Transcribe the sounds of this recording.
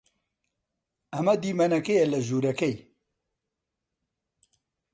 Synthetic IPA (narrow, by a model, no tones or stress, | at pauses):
ɐmɐd̪iːmɐnɐkejɛlɐʒuːɾɐkɛj